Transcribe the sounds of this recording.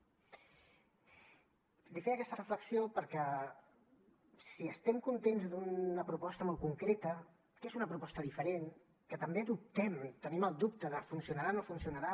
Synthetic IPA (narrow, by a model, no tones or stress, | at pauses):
d̪ifeəkɛst̪ərəfləksijopəɾkɛ | siəst̪ɛmkunt̪enzd̪uəpɾupɔst̪əmolˠkuŋkɾet̪ə | kezunəpɾupɔst̪əðifəɾen | kət̪əmbeðup̚t̪ɛmt̪əniməlˠd̪up̚t̪əðəfunsiunəɾanofunsiunəɾa